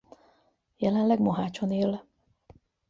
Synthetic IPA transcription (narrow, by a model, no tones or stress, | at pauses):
jɛlɛnlɛɡmoɦaːt͡ʃoneːl